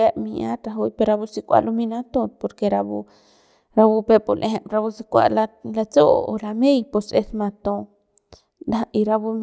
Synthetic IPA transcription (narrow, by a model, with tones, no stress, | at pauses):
e˦mia˦t̪ɾa˧ɦu˧jpe˧ɾa˧bu˧si˧kʷa̰˦ʔlo˧mina˦t̪o˧po˨ɾkeɾabu˧ | ɾabu˧pe˧polʔe˧ɦe˨ɾa˧bu˧si˧kʷa̰˧lalat͡so̰˦la˧me˦jpo˧se˧sma˧t̪o˧ | d̪ai˧ɾa˧bu˧m